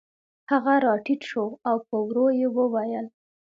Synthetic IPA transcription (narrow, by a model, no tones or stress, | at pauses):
haɣaɾɑʈiʈ̪ʃoawpəwɾojewəwajəl